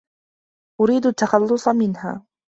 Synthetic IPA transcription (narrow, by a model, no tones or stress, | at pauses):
ʔʊɾiːd̪ʊt̪ːɑxɑlːʊsˤɑmɪnha̰ː